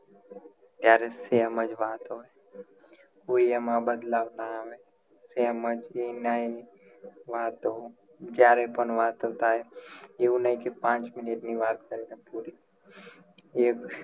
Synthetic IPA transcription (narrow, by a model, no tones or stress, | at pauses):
t̪jaːɾeseɐməd͡ʒʋaːt̪oe | uijəmãːbəd̪laːbnaʋe | seɐməd͡ʒenai | ʋaːt̪oo | d͡ʒjaːɾepənʋaːt̪ɦoːt̪aːɦejeʊnaikepãːt͡ʃmɪneʈniʋaːt̪kəɾeːnapuːɾi | ek